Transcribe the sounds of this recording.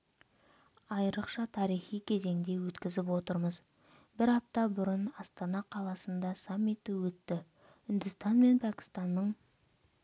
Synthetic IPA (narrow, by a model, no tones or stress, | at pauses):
ɑjɾəqʃɑt̪ʰɑɾijχijkʲʰe̞ze̞ŋd̪e̞wɵt̪kʲɪzɪpwo̞t̪əɾməz | bɪɾɑp̚t̪ɑbʊɾənɑst̪ɑnɑqʰɑlˠɑsənd̪ɑsamʲːit̪əwɵt̪ːɪ | ʏnd̪ɪst̪ɑnme̞npʰækʲɪ̥st̪ɑnːəɴ